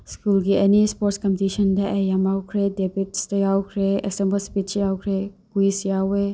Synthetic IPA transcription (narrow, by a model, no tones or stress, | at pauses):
skulɡiɐnispoɾtskɐmptisɐndɐʔejamawkʰɾedebitstɐjawkʰɾeḛsembəlspit͡ʃjawkʰɾekuisjawe